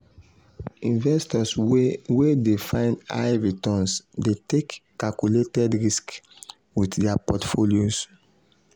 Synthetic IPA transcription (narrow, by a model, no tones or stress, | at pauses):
ĩnvɛstɔswedefãɪ̃nda̰jvitɔ̃nsdetekː | akuletɛdɹisk | witdɛapɔtfoljos